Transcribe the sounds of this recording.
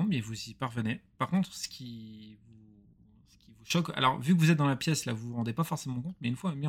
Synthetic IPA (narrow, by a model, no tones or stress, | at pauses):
mɛvuzipaʁvənepaʁkɔ̃t̪χsə̥kʲʰivu | sə̥kʲivuʃɔka̰lɔ̰ʁvykəvuzɛt̪̚d̪ɑ̃lapjɛsla̰vuʁɑ̃d̪epafɔʁsemɑ̃kɔ̃t̪mɛynfwami